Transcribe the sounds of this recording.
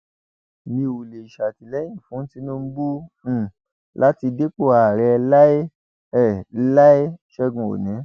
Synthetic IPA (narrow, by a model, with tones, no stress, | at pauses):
nĩ˧o˨le˨i˨ʃa˨ti˨lɛ˨˦j̃ĩ˦˨fũ˨˦n̩˦ti˨˦nũ˦m̩˦bũ˦˨ | la˦ti˧de˦k͡po˦˨a˧˨ɾɛ˧la˦e˦ | ɛ˦˨˦la˦e˦ʃɛ˧ɡũ˨o̰˨nĩ˨˦